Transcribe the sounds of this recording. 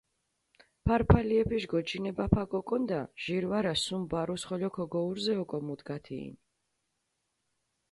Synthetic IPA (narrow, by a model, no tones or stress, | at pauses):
pʰaɾpʰaliɛpʰiʃɡɔt͡ʃʰinɛbapʰakʼɔkʼɔnd̪aʒ̥iɾwaɾasumbaɾusχɔlɔkʰɔɡɔuɾzɛɔkʼɔmud̪ɡat̪ʰḭːn